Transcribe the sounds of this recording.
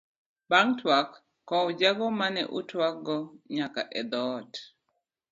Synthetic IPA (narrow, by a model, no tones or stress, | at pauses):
baŋtwakː | ɔud͡ʒaɡɔmanɛ̰ʔutwaɡɔɲaka̰ʔɛd̪ɔt